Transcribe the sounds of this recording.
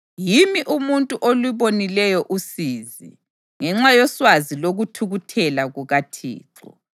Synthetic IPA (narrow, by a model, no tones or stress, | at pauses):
jimiʔumuntʼuʔoluβonilɛjɔʔusizḭ | ŋɛŋ͡ǁajɔswaziloɣutʰuɣutʰɛlaɣuɣatʰḭːǁɔ